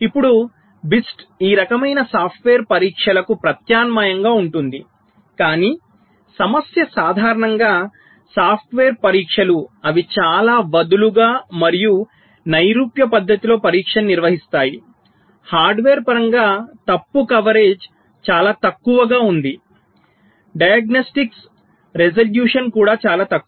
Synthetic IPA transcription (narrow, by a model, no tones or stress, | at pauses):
ipːuɽu | bisʈiːɾɐkɐmɐjnɐsaːpʰʈʋeːɾpɐɾiːkʂɐlɐkupɾɐt̪jaːnmaːjɐŋɡaːuɳʈund̪i | kaːniː | sɐmɐsjɐsaːd̪ʱaːɾɐɳɐŋɡaː | saːpʰʈʋeːɾpɐɾiːkʂɐluɐʋit͡ʃaːlaːʋɐd̪uluɡaːmɐɾiju | nɐjɾuːpjɐpɐd̪ʱːɐt̪ilo̞ːpɐɾiːkʂɐnːiɾʋɐɦist̪aːji | haːɾɖʋeːɾpɐɾɐŋɡaːt̪ɐpːukɐʋɐɾe̞ːd͡ʒ | t͡ʃaːlaːt̪ɐkːuʋɐɡaːund̪i | ɖɐjɐɡnɐsʈiks | ɾed͡ʒɐljuːʂɐnkuːɽaːt͡ʃaːlaːt̪ɐkː